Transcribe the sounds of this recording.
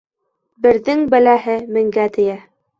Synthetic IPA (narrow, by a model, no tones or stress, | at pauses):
bɘ̆ɾðɘŋbɘlæɦɘmɘ̆ŋɡæt̪ɘ̆jæ